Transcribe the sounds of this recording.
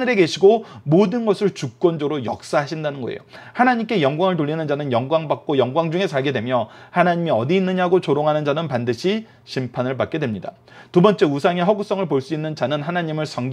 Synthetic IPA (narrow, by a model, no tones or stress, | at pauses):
nɯɾe̞ɡe̞ɕʰiɡomodɯnɡʌsʰɯɭt͡ɕuk̚k͈wʌnd͡ʑʌɡɾojʌ̰k̚s͈aɦaɕʰindanɯnɡʌ̰ḛjohanaɲimk͈e̞jʌŋɡwaŋɯɭtoɭʎːinɯnd͡ʑanɯnjʌŋɡwaŋbak̚k͈ojʌŋɡwaŋd͡ʑuŋe̞sʰaɭɡe̞dwe̞mjʌhanaɲimiʌdiːnːɯɲaɦɡot͡ɕoɾoŋɦanɯnd͡ʑanɯnpandɯɕʰi | ɕʰimpʰanɯɭpak̚k͈e̞dwemɲida̰ | tubʌnt͡ɕ͈e̞usʰaŋe̞ɦʌɡus͈ʌŋɯɭpoɭs͈uinːɯnd͡ʑanɯnɦanaɲimɯɭsʰʌŋɡ